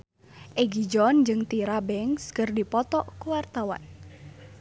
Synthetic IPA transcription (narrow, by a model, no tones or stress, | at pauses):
ʔeɡid͡ʒɔnd͡ʒɨŋt̪iɾabɛŋskɨrdipɔt̪ɔʔkuwart̪awa̰n